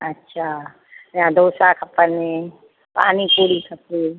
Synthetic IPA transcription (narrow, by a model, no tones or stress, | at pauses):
ɐtːʃʰaː | meãd̪oːsakʰɐpːəne | pa̰ːnikuːɽikʰɐpːi